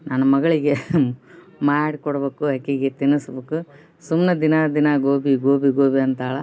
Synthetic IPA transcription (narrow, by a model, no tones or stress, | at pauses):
nanɐmɐɡɐɭiɡe | maːɽikɔɽɐbeːkuaːkːiːɡet̪inːɐsbeːku | sumned̪inad̪inaɡoːbiɡoːbiɡoːbiɐnt̪aːɭɐ